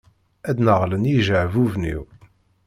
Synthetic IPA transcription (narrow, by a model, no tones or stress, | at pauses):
æd̪nəʁlənjiʒəʕvuvnḭw